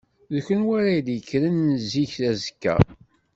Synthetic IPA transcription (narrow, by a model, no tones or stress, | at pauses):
ðçənwæɾad̪jəkːɾənnəziçθæzəkːæ̰